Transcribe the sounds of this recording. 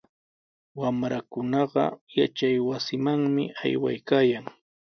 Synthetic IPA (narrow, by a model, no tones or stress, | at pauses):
wamɾakʊnɑɢɑ̰jat͡ʃajwasɪmaŋmɪa̰jwa̰jkaːjaŋ